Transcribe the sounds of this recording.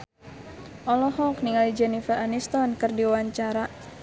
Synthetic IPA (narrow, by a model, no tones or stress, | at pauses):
ʔɔlɔhɔk̚niŋalid͡ʒɛnifaʔanist̪ɔnkɨrdiwaɲt͡ʃaɾa